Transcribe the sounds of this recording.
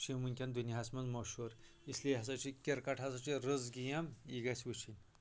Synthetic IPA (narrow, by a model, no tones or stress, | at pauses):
t͡ʃʰimunʲkʲɐnd̪unʲiɦasmɐnzmɐʃuɾ | islʲiɦɐsɐt͡ʃʰikʲeɾkɐʈʰɦɐsɐt͡ʃʰiɾɨzɡijɐmiɡɐsʲwut͡ʃʰinʲ